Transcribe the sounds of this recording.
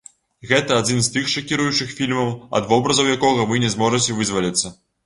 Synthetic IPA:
ɣɛt̪ɐad͡zʲinst̪ɨxʂɐkʲiɾujut͡ʂɨxfʲilʲmɐwɐ̰d̪vɔbɾɐzɐwjakɔɣɐvɨnʲɛzmɔʐɨt͡sʲɛvɨzvɐlʲit̪sːɐ

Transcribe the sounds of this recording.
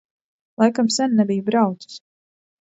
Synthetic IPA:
lˠajkamsɛnnɛbijubɾawt̪su̥s

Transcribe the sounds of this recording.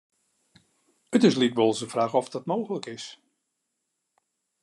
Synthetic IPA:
ətɪslikbɔlˠsəfraːxɔfdɔtmowɣələkɪs

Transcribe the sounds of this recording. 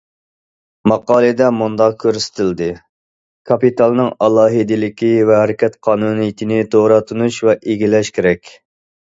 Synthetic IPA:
mɑqɑːlˠɨd̪ɛmund̪ɑq̚kʲʰːøɾsɪ̥t̪ʰɪld̪ɨ | kʰɑpit̪ɑlˠnɨŋɑlˠɑːɦɨd̪ɪlɪkʲivɛɦæɾɪkʲʰɛt̪qʰɑːnunijit̪ʰɪnɪt̪ʰoɾɑt̪ʰunuʃvɛʔeɡʲilɛʃkʲʰeɾɛkʲ

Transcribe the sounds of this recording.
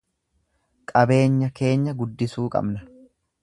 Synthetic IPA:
kʼɐbe̞ːɲːɐke̞ːɲːɐɡʊd̪ːɪsuːkʼɐ̰bnɐ

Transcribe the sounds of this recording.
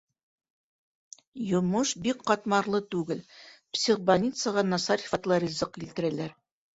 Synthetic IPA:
jŏmɤʃbikqɑt̪mɑɾlˠɤt̪ʉɡɘlpsʲiʁbanʲit̪səʁɑnɑsɑɾi̥fɑt̪lˠɑɾʲizɤqilt̪ɘ̆ɾælæɾ

